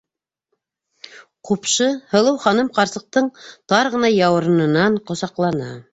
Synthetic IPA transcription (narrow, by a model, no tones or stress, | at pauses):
qupʃɤhɤ̆lˠɤwχɑnɤmqɑɾsɤ̆q̚t̪ɤɴt̪ɑɾʁɤ̆nɑjɑwɤ̆ɾɤ̆nɤ̆nɑɴqŏsɑqlˠɑnɑ